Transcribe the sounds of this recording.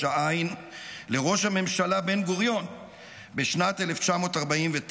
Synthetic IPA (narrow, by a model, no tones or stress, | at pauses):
aajnle̞ʁo̞ʃhame̞mʃalabe̞nɡoʁjo̞n | beʃnat̪eleft͡ʃamo̞ːt̪aʁbaimvet